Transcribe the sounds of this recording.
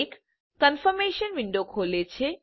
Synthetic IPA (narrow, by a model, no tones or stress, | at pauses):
k | kːənfəɾmeʃənʋiɳɖokɦolet͡ɕʰe